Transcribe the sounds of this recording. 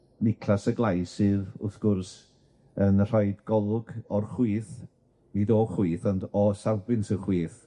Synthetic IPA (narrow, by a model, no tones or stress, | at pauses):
nɪkʰlasəɡlˠajsɨːðʊθɡ̥ʊrs | ənr̥ajdɡɔlˠʊɡɔrχwiːθ | nidɔχwiːθɔndɔsabɨnsəχwiːθ